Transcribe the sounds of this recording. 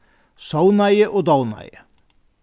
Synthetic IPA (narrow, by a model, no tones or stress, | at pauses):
sɑʊnæɪəʔoːd̪ɑʊnɑ̰ɪə